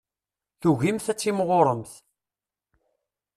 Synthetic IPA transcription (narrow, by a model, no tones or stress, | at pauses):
θuʝimθæt͡sːimʁoɾˤəmθ